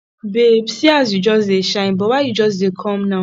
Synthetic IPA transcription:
bebsiazjud͡ʒɔseʃaĩbɔwajid͡ʒɔs̬ekʰɔ̃mnã

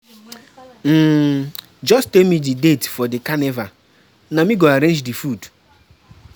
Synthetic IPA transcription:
m̩ː | d͡ʒɔstekmididetfɔdɪkaneva | namiɡoaɾẽnd͡ʒdifud

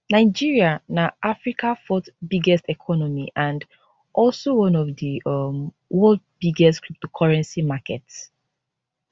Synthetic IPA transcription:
naɪd͡ʒiɹianaʔafɹikʰafɔtbiɡɛstɛkʰɔnɔmiʔãnd | ʔɔlsowɔ̃nɔvdiʌm | wɔld̚b̥iɡɛstkɹup̚tokʰɔɹɛ̃nsimakɛts

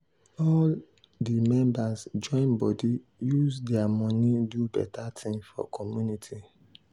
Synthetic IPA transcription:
ɔl | dimɛ̃mbasd͡ʒɔ̃ɪ̃nbɔdi | juzdɛamɔ̃nidubɛ̰tʰatʰĩŋfɔ̰kʰɔmjunitʰi

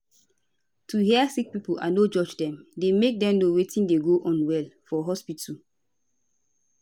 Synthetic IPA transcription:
tʰuɦɛasik̚pipulʔa̰nod͡ʒɔd͡ʒdɛ̃mdemek̚dɛ̃mnowetĩndeɡoʔɔ̃nwɛlfɔɦɔspitʰu

